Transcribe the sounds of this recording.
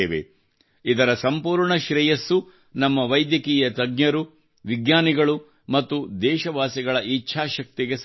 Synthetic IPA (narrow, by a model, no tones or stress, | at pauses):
eːʋḛ | id̪ɐɾɐsɐmpuːɾɳɐʃɾɛjɐsːu | nɐmːɐʋɐjd̪jɐkiːjɐt̪ɐɡɲɐɾu | ʋiɡɲaːniɡɐɭu | mɐt̪ːud̪ɛːʃɐʋaːsiɡɐɭɐʔit͡ʃːʃʰaːʃɐk̚t̪iɡe̞s